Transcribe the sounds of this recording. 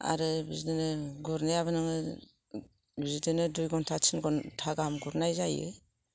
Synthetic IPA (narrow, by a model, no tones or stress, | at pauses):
a̰ɾɯbizidinɯɡuɾnajaβɯnɯŋɯ | bizidɯnɯdujɡɔntʰat͡ʃʰinɡɔntʰaɡamɡuɾnajzajɯ̰